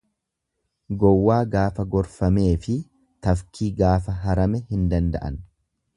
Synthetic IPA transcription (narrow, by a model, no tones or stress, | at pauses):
ɡɔwːaːɡaːfɐɡɔɾfɐme̞ːfɪ | t̪ɐfkʰiːɡaːfɐɦɐɾɐmɛɦɪnd̪ɐnd̪ɐ̰ʔɐ̰n